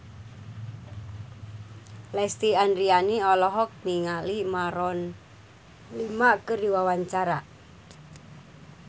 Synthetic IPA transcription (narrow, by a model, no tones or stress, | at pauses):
lɛst̪ianɾianiɔlɔɦɔk̚niŋalimaɾɔn | limakəriwawaɲt͡ʃaɾa